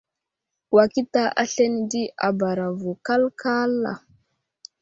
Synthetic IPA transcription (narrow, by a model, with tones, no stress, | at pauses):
wa˨ki˦ta˦ʔa˦ɬe˦n˨di˦a˨ba˨ɾa˨vu˨ka˦lka˦lːa̰˨